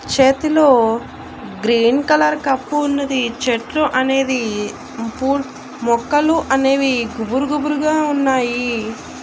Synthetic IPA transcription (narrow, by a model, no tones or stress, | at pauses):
t͡ʃeːt̪ilo̞ː | ɡɾiːnkɐlɐɾkɐpːuːnːɐd̪it͡ʃeʈɾuʔɐne̞ːd̪i | puː | mɔkːɐluʔɐne̞ːʋiɡubuɾuɡubuɾuɡaːunːaːji